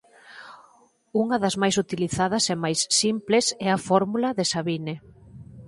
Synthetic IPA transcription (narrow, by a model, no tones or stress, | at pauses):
uŋɐðɐzmajsut̪iliθaðɐsɛmajsːimplesɛɐfɔɾmulɐðesaβine